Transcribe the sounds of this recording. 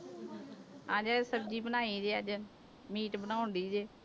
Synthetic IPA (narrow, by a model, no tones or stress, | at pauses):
ãːd͡ʒaːsəb̚d͡ʒiːbənaːiːd͡ʒeːəd͡ʒ | miːʈbənaːʊnd̪iːd͡ʒeː